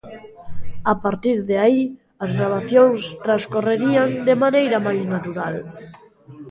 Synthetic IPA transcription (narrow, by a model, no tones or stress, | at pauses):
apaɾt̪iɾðeai | ɐzɣɾaβaθjoŋst̪ɾaskoreɾiaŋd̪emanejɾɐmajznat̪uɾal